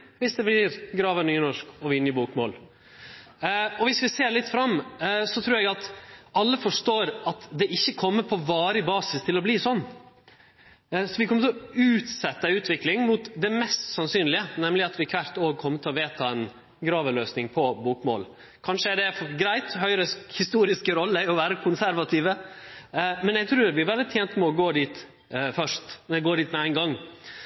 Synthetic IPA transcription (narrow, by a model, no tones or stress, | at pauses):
ʋɪsd̪ɛblɪɾɡɾɑːʋənyːnɔʂkɔʋɪnjəbuːkmoːl | ɔʋɪsʋɪseːlɪt̪ːfɾɑmːsɔt̪ʰɾuːɾɛɡɑt̪ɑlːəfɔʂʈ̪oːɾɑt̪d̪ɛʔɪçːəkʰɔmːəɾpʰɔʋɑːɾəbɑːsɪst̪ʰɪlɔbliːsɔnː | sɔʋɪkʰɔmːət̪ʰɪlɔʉːt̪sɛt̪ːəəʉːt̪ʋɪklɪŋmʊt̪d̪ɛmɛst̪sɑnsyːnlɪənɛmlɪɑt̪ʋɪkʰʋæɾt̪oːɡ̚kʰɔmːət̪ʰɪlɔʋeːt̪ʰɑːɛn | ɡɾɑːʋəløːsnɪŋpʰɔbuːkmo̰ːl | kʰɑnʂəɛɖɛfɡɾæɪt̪hœʏɾəshɪst̪uːɾɪskəɾɔlːəæɔʋæːɾəkʰʊnsæɾʋɑt̪ʰiːʋə | mɛnɛɡ̚t̪ʰɾʉːɾʋɪʋɛld̪ɪt̪ʰjeːnt̪mɛɔɡoːd̪iːt̪ | fœʂt̪ɛɛɡoːd̪iːt̪mɛæɪnɡɑŋː